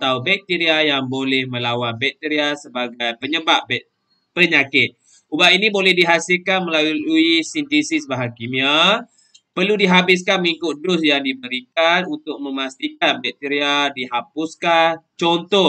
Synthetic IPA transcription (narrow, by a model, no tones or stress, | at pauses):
at̪aubɛk̚t̪iɾiajaŋbolɛhmə̃lawanbɛk̚t̪iɾiasəbaɡajpəɲəbaʔbɛ | pəɲakɪt̪̚ | ubaʔinĩbolɛhdiɦasɪlkanməlaluisint̪esisbaɦakimia | pərludiɦabɪs̬kanməŋikʊt̪̚dʊsjaŋdibəɾikanunt̪ʊk̚mə̃mast̪ikan̚bɛk̚t̪iɾiadiɦapʊskant͡ʃɔnt̪ɔh